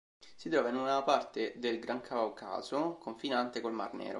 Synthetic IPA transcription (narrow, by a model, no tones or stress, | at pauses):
sit̪ɾɔːvainunapart̪ed̪elɡɾaŋkʰawkʰa̰ːzokʰoɱfinant̪ekolma̰rnɛ̰ːɾo̰